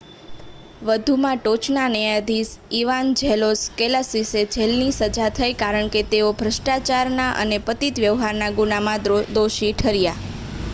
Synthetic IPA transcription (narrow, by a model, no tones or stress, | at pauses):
ʋəd̪ʱumãʈot͡ʃnanəjad̪ʱisiʋand͡ʒʱɛloskɛlasised͡ʒʱɛlnisəd͡ʒat̪ʰəjkaɾəɳket̪eobʱɾəʃʈat͡ʃaɾnaʔə̰nepət̪it̪ʋjəʋɦaɾnaɡunamãd̪oʃiʈʰəɾja